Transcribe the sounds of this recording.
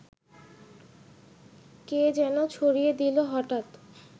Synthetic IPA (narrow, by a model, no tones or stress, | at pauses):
ked͡ʑɛnot͡ɕʰoɾijed̪iloɦɔʈat̪